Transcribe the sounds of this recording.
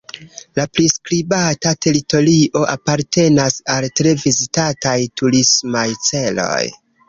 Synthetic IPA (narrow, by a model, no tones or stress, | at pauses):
lapɾiskɾibatate̞ɾito̞liʔo̞ʔapaɾte̞nasaltɾe̞vizitatajtuɾismajt͡se̞lo̞̰j